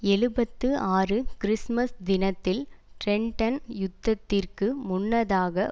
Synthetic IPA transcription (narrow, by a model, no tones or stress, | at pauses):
ɛɻɯbɐt̪ːɯaːrɯkɪɾɪsmɐsd̪ɪnɐt̪ːɪlʈɾɛɳʈɐnjʊd̪ːɐt̪ːɪrkɯmʊnːɐðaːɣɐ